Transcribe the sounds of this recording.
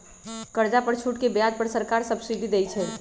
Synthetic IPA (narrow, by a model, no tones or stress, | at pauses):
kəɾd͡ʒapəɾt͡ʃʰuʈkebjad̪̚pəɾsəɾkaɾsəbsid̪ʱid̪ejt͡ʃʰɛ